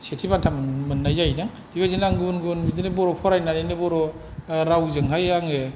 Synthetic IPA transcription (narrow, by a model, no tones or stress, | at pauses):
setʰibantʰammɯnːajzajdaŋ | d̥iβazinaŋɡunɡunbidɯnebɔɾɔpʰɔɾajnanenebɔɾɔ | ɾawzɯŋɦajaŋe